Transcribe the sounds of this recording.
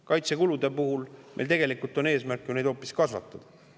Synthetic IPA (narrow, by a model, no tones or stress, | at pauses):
kɑjt̪sekulud̪̥e̞puɦulmḛjlt̪e̞ɡ̥e̞likˑult̪ˑo̞ne̞ːsmærkːˑjuned̪̥o̞ːpːˑiskɑsvɑ̰t̪ːˑud̪̥